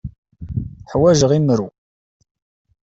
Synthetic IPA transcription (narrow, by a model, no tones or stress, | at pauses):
ħwæʒəʁimɾu